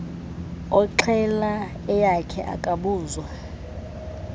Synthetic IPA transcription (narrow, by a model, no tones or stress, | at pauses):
ɔǁʰɛla | ɛjakʰɛ̰ʔa̰kʼaɓuːzwa